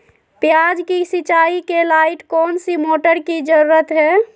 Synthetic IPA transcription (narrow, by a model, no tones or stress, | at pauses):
pjad͡ʒkisit͡ʃaːikelaɪʈkɔːnsimoːʈəɾkid͡ʒəɾuɾət̪ɦɛː